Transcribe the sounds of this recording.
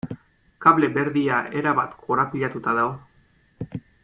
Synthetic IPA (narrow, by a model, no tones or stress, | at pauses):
kaβle̞be̞ɾðiaʔe̞ɾaβa̰t̪kʰo̞ɾapiʎat̪ut̪aðao